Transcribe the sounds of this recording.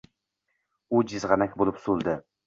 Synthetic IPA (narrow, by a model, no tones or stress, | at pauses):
ʊd͡ʒɪzʁɑnakʲbolˠɪpsolˠd̪ɪ